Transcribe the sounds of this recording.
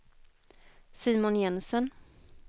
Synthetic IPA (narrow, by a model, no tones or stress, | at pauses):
siːmʊnjɛnsən